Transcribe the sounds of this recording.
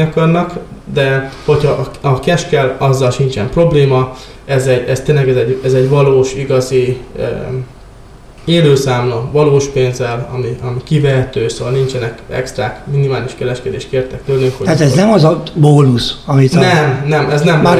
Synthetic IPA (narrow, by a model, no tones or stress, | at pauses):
ɒkɒrnɒkd̪ɛho̞chɒʔɒkɛʃkɛlɒzːɒlʃint͡ʃɛmpro̞bleːmɒ | ɛzɛɟɛst̪eːnlɛɡɛzɛɟɛzɛɟvɒloːʃiɡɒziø̰ | eːløːsaːmlomvɒloːʃpeːnzɛlɒ̰miʔɒmikivɛɦɛt̪øːsoːvɒlnint͡ʃɛnɛkɛ̰kst̪raːkminimaːliʃkɛɾɛʃkɛd̪eːʃt̪̚keːrt̪ɛkt̪ølnøŋkhot̪at̪ɛznɛmɒzɒboːnusɒmit̪nɛmnɛmʔɛznɛm